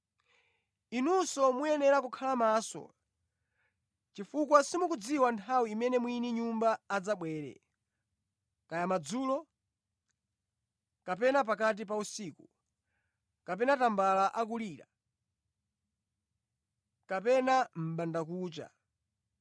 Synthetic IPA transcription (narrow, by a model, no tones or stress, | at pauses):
inusɔmujɛnɛɾakukʰalamaːsɔ̰ | t͡ʃifukwasimukud͡ziwantʰawiːmɛnɛmwiniɲumbaːd͡zaɓwɛːɾɛ̰ | kajamad͡zuːlɔ | kapɛnap̬akat̬ip̬ausiːku | kapɛnatambalaʔak̬uliːɾa̰ | kapɛnam̩ɓandakuːt͡ʃa̰